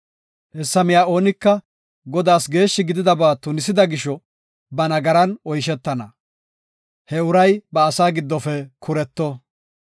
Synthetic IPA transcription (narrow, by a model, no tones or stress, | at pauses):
ʔɛsːɐmɪjaːo̞ːnɪkːɐ | ɡɔd̪aːsɡe̞ːʃːɪɡɪd̪ɪd̪ɐbaːt̪ʊnɪsɪd̪ɐɡɪʃɔ | bɐnɐɡɐɾɐnɔjʃ̬ɛt̪ːɐnɐ | hɛʊɾɐjbɐːsaːɡɪd̪ːɔfɛkʰʊɾɛt̪ːɔ